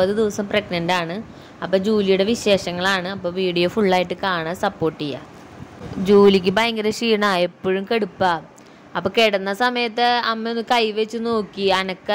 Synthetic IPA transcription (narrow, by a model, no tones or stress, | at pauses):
ɐðɨd̪iʋɐsɐmpreɡnɐndaːɳɨ | ɐpːoːd͡ʑuːlijuɽe̞ʋiɕe̞ːʂɐŋːɐɭaːɳɨɐpːoːʋiːɽijo̞ːfuɭːaːjiʈːɨkaːɳɐsɐpːo̞ːʈːijːa̰ | d͡ʑuːlik̬ʲːɨbɐjɐŋɡɐɾeʂiːɳaepːoɻumkeɽupːa | ɐpːoːkeɽɐnːɐsɐmɐjɐt̪ːɨɐmːeonːɨkɐjʋet͡ɕːɨno̞ːkːiɐnɐkːɐ